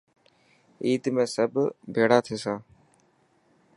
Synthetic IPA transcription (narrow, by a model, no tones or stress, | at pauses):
iːt̪mẽːsəbʱbʱeːɽaːt̪ʰeːsãː